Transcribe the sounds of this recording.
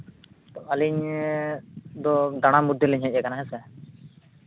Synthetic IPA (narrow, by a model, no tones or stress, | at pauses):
t̪ɔʔaliɲ | d̪ɔd̪aɽ̃amud̪ʱjɛlɛɲɦɛc̚ˀakanaɦɛsɛ